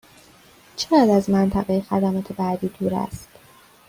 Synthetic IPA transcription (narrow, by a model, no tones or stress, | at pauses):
t͡ʃʰeʁæd̪æzmænt̪ʰæɣejexæ̰d̪æːmɒːt̪ʰebæːd̪iːd̪uːɾæ̰st̪